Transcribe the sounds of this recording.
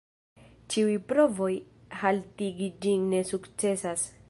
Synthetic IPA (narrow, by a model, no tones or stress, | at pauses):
t͡ʃiujpɾo̞vo̞j | haltiɡid͡ʒinːe̞sukt͡se̞sas